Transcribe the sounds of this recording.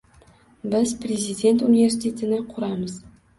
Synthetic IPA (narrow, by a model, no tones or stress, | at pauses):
bɪz̥pɾʲezid̪ʲe̞nt̪unive̞ɾs̬it̪ʲʰe̞t̪ʰɪnɪqʰʊɾamɪz